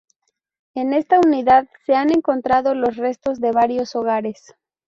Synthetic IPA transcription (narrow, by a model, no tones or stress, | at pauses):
e̞ne̞st̪auniðaðse̞ane̞ŋko̞nt̪ɾaðo̞lo̞sre̞st̪o̞zðe̞βaɾjo̞so̞ɣ̞aɾe̞s